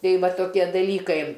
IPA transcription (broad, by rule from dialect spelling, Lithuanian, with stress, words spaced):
ˈtɐɪ ˈʋɐ toːˈkʲiɛ dɐˈlʲiːkɐɪ